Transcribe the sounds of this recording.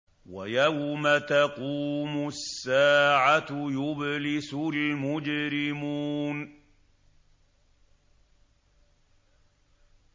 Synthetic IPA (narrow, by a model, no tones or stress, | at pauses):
wa̰jawmat̪aquːmʊsːaːʕajʊblɪsʊlmʊd͡ʒɾɪmuːn